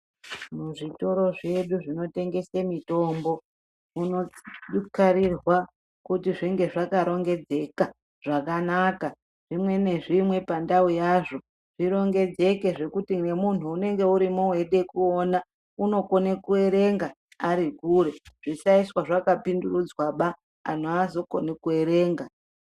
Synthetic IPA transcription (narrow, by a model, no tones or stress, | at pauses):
muʐito̞ɾo̞ʐe̞ɗuʐino̞te̞ŋɡe̞semito̞ːmbo̞ | unoɗukaɾirwa | kutiʐiŋɡe̞ʐakaɾo̞ŋɡe̞d͡ze̞ka | ʐ̥akanaka | ʐ̥imwe̞ne̞ʐimwe̞pandaujaːʐo̞ | ʐ̥iɾo̞ŋɡe̞d͡ze̞ke̞ʐe̞kutiŋe̞mun̤uːne̞ŋɡe̞uɾimowe̞ɗe̞kuona | uno̞ko̞nekue̞ɾe̞ŋɡa | aɾikuɾe̞ʐ̥isaiswaʐakapindurud͡zwaɓa | a̰n̤oazo̞ko̞̰nekue̞ɾe̞ːŋɡa